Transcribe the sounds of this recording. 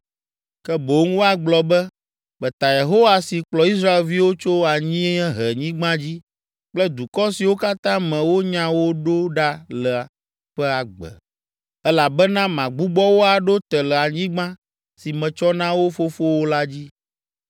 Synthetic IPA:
kɛ˦bo˨˦ŋ˦wo˦a˨ɡ͡blɔ˨bɛ˦ | k͡pɛ˨t̪a˨je˨ɦo˦wa˨si˨k͡plɔ˨i˦s̬ɾa˦e˨lvi˦wo˦t͡ʃo˦a˨ɲĩ˦ɲɛ̃˦ɦɛ˨ɲĩ˦ɡ͡bã˦d͡ʑi˦ | k͡plɛ˦d̪u˨kɔ˦si˨wo˦ka˦t̪ã˦mɛ̃˨wo˦ɲã˦wo˦ɖo˦ɖa˦lə˨ | ɸɛ˦a˨ɡ͡bɛ̰˨ | ɛ˦la˨bɛ˦nã˦mã˨ɡ͡bu˦ɡ͡bɔ˦wo˦a˨ɖo˦t̪ɛ˨lə˨a˨ɲĩ˦ɡ͡bã˦ | si˨mɛ̃˨t͡ʃɔ˦nã˦wo˦fo˦fo˦wo˦la˦d͡ʑi˦

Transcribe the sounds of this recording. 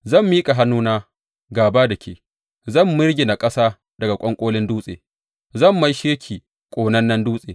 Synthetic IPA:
zɐ˦˨mːiː˦kʼa˨ɦa˦nːuː˦naː˦ | ɡaː˨baː˦dɐ˨kʲʰeː˨ | zɐ˦˨mːʊ˦ɾɡʲɪ˨na˨kʼɐ˦saː˦ | dɐ˨ɡa˨kʷʼɔ˦ŋkʷʼoː˦lɪ˦nduː˦sʼḛː˨ | zɐ˦˨mːa˦jʃeː˦kʲʰiː˨ | kʷʼoː˨nɐ˦nːɐ˦nduː˦sʼeː˨

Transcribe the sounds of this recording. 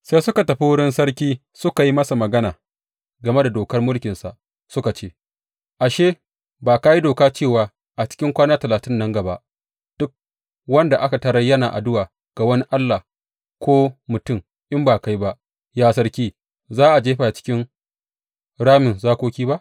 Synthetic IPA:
sa˦jsʊ˦ka˨tɐ˨ɸi˦wʊ˦ɽɪ˦nsɐ˦ɽkʲiː˦ | sʊ˦ka˨ji˦mɐ˦sa˨mɐ˨ɡɐ˦naː˨ | ɡɐ˨me˦da˨doː˨kɐ˦rmʊ˦lkʲɪ˨nsa˨ʔ | sʊ˦ka˨t͡ʃeː˦ | ʔa˨ʃeː˦ | baː˨ka˦ji˦doː˨kaː˦t͡ʃeː˦˨waː˨ | ʔa˨t͡ʃɪ̥˦kʲɪ˦ŋkʷaː˦naː˦tɐ˨laː˨tɪ˦nːɐ˦ŋɡɐ˨ba̰˦ʔ | d̥ʊ˦k̚ | wɐ˦nda˨ʔa˦ka˨tɐ˨ɾɐ˦jːɐ˦naː˨ʔa̰˨dʊ˦waː˨ | ɡ̥a˨wɐ˦ni˦ʔa˦lːa˨ | kʷoː˦mʊ˨tʊ˦˨m | ʔɪ˦mbaː˨ka˦jba˦ʔ | jaː˦sɐ˦rkʲiː˦ | zaː˦ʔa˨d͡ʒeː˦ɸa˨t͡ʃɪ̥˦kʲɪ˦n | ɽaː˦mɪ˨nzaː˦kʷoː˦kʲiː˦ba˦ʔ

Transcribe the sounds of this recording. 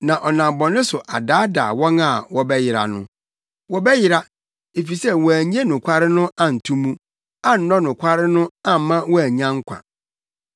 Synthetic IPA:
nã˨ʔɔ˨nã˨bɔ˨nʊ̃˦sʊ˨ʔa˨daː˦da̰ː˨wɔ̃˦na˨wɔ˦bɛ˦jɪ˨ɾa̰˨nʊ̰̃˦ | wɔ˦bɛ˦jɪ˦ɾa˦ | e˨fi˨sɛ˦wɔ˨æ˨ɲ˦ẽ˦nʊ̃˨kʷʰa˦ɾɪ˦nʊ̃˦ʔã˦n̩˨tʰũ˦mũ˦ | a˦n̩˨˦nɔ̃˦nʊ̃˨kʷʰa˦ɾɪ˦nʊ̃˦ã˦m̩˨mã˦wɔ˦æ˨ɲã˦ŋ̩˦kʷʰã̰˨

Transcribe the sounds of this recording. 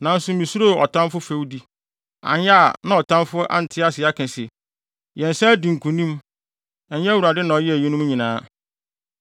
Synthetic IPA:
nã˨n̩˦sʊ˨˦mĩ˨su˦ɾo˦˨ɔ̰˨tʰã˦mfʊ˦fe˦wdi˦ | ã̰˨nja˦˨nã˦ɔ˨tʰã˦mfʊ˦ʔa̰˦n̩˨tʰɪ˦a˦sɪ˨a˦kʰɪ̃˨sɛ˨ | jɛ̃˨n˨sɛ˦dĩ˨ŋ̩˨kʰũ˨nĩ˦m | ɛ˨ɲ˦jɛ˦wu˨ɾa˨dɪ˦nã˨ɔ˨jɛ˦æ˨ji˦nʊ̃˦m˦ɲĩ˨nãː˦

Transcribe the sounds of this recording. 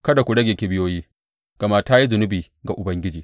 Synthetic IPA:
kɐ˦da˨kʷu˨ɽɐ˦ɡʲeː˨kʲe˨bɪ˦joː˦jiː˦ | ɡ̥ɐ˨ma˦ta˦ji˦zʊ˨nʊ˦biː˨ | ɡa˨ʔʊ˨bɐ˦ŋɡʲɪ˦d͡ʒiː˨

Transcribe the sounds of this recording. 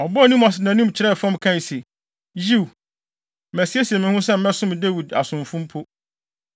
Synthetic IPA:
ɔ˨bʊ˦æ˨nĩ˦mɔ˨snã˨nũ˦m˨t͡ɕʰɪ˨ɾɛ˦˨fɔ̃˦m˨kʰã˦˨se˨ | ji˦w̩˨ | æ˨si˦e˦si˨e˨mɪ̃˨hʊ̃˦s̬ɛ˦m̩˦mɛ̃˦sʊ̃˦m˨dæ˦wi˨da̰˨sʊ̃˨ɱfʊ̃˦mpʰo˦

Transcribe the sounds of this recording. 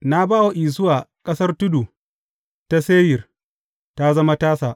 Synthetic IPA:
na˦baː˦wa˨ʔiː˨s̬ʊ˦waː˨kʼɐ˦sɐ˦rtʊ˦du˨ | ta˦seː˦jɪ˨r | ta˦zɐ˦ma˦taː˦saː˨ʔ

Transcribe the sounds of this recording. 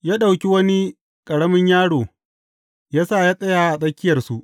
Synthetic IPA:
jaː˦ɗa˨wkʲi˦wɐ˦ni˦ | kʼɐ˨ɽɐ˦mɪ˦ɲjaː˦ɽoː˨ | jaː˦saː˦˨jaː˦sʼɐ˦jaː˨˦ʔa˨sʼɐ˦kʲɪ˦jɐ˨rsu˦ʔ

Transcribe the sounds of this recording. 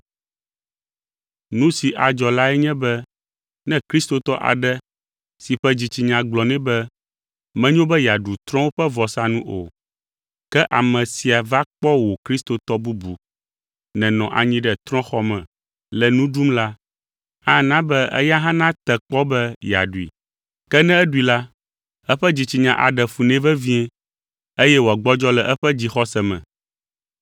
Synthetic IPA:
nũ˦si˨ʔa˨d͡ʒɔ˨la˦ɛ˦ɲɛ̃˦bɛ˦ | nɛ̃˦kɾi˦st̪o˨t̪ɔ˦ʔa̰˨ɖɛ˦ | si˨ɸɛ˦d͡ʑi˨t͡ɕi˨ɲã˨ɡ͡blɔ˨nɛ̃˦bɛ˦ | mɛ̃˦ɲõ˦bɛ˦ja˨ɖu˨t̪ɾɔ̃˦wo˦ɸɛ˦vɔ˨sa˦nũ˦ʔo̰˨ | kɛ˦ʔa˨mɛ̃˨si˨a˨va˦k͡pɔ˦wo˨kɾi˦st̪o˨t̪ɔ˦bu˦bu˨ | nɛ̃˨nɔ̃˨ʔa̰˨ɲĩ˦ɖɛ˨t̪ɾɔ̃˦xɔ˦mɛ̃˨ | lɛ˨nũ˦ɖu˦mla˦ | ã˦nã˦bɛ˦ɛ̰˦ja˦ɦã˦nã˦t̪ɛ˨k͡pɔ˦bɛ˦ja̰˨ɖu˨ḭ˨ | kɛ˦nɛ̃˦ɛ˦ɖu˦i˨la˦ | ɛ˦ɸɛ˦d͡ʑi˨t͡ɕi˨ɲã˨ʔa̰˨ɖɛ˨fu˨nɛ̃˦vɛ˦vĩ˦ɛ̃˦ | e˦jɛ˦wo˨a˨ɡ͡bɔ˦d͡ʒɔ˦lɛ˨ʔɛ˦ɸɛ˦d͡ʑi˦xɔ˦sɛ˨mɛ̰̃˨

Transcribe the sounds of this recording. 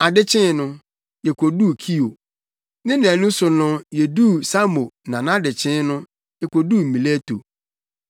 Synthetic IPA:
a˨dɪ˦t͡ɕʰɪ̃˦nʊ̃˦ | jɛ˨kʷʰo˨du˦˨kʰi˦o˨ | nɪ̃˦nɪ̃˨ɛ˨nũ˦sʊ˨nʊ̃˦jɛ˨du˦sa˦mo˨nã˨nã˦dɪ˨t͡ɕʰɪ̃˦nʊ̃˦ | jɛ˨kʷo˨du˦˨m̩˨mĩ˨le˦to̰˨

